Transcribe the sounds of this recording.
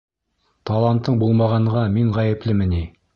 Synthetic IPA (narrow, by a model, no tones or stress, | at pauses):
t̪ʰalˠant̪ːɤɴbulˠmɑʁɑɴʁɑmiɴʁæjɘ̆plɘmɘ̆ni